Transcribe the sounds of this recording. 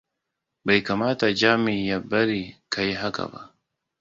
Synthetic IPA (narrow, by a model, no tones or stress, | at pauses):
bɐjkamaːt̪ad͡ʒaːmijabɐɾikʰajɦaka̰ba̰